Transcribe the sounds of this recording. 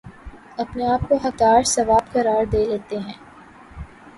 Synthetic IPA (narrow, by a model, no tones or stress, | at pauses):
ɐpneaːp̚koɦɐk̚t̪aːɾsɐʋaːbkɐɾaːɾd̪eːleːt̪eɦɛ̃ː